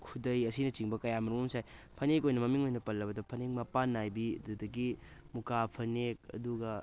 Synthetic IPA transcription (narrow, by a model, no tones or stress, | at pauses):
kʰudɐjɐsinɐt͡ʃiŋbɐkɐjamɐɾumomsajpʰɐnek̬ojnɐmɐmiŋojnɐpɐlːɐbɐdɐpʰɐneŋ̚mɐpanːajbiɐdudɐɡimukapʰɐnek̚ɐ̰duɡɐ